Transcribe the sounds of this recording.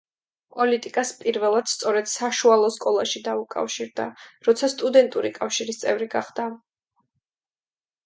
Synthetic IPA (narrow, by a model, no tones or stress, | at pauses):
pʼɔlit̪ʼikʼaspʼiɾvɛlˠad̪̥st̪sʼɔɾɛd̪̥saʃualˠɔskʼɔlˠaʃid̪aukʼa̰fʃiɾd̪a̰ɾɔt̪sʰast̪ʼud̪ɛnt̪ʼuɾikʼafʃiɾist̪sʼɛvɾiɡaχd̪̥a